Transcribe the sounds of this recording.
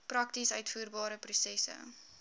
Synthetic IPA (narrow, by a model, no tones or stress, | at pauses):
prɐktisœɥtfuːrbɑːɾəprusɛsə̰